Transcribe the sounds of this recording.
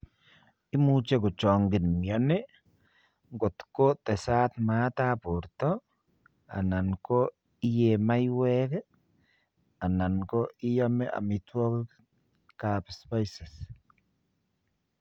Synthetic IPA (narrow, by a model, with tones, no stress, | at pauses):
i˦mu˦t͡ʃe˦ko˨t͡ʃɔ˨ŋɡɪ˨nmjɔ˨nɪ˦ | ŋɡo˨t̪ko˦tɛ˨sa˦t̪ma˦t̪a˦po˨ɾtɔ˦ | a̰˨na˨nko˦ | i˦je˨ma˦jwɛ˦k | a˨na˨nko˦ʔi˦ja˦me˦ʔa̰˨mi˨t̪wɔ˦k | ka˨pspa˦jsɪ˨s